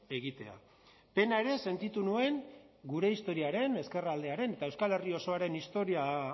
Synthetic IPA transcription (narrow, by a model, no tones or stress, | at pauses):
e̞ɣ̞it̪e̞a̰ | pe̞naeɾe̞se̞nt̪it̪unue̞ŋ | ɡuɾe̞ist̪o̞ɾiaɾe̞ne̞ske̞rald̪e̞aɾe̞ne̞t̪ae̞wskale̞rio̞so̞aɾe̞nist̪o̞ɾia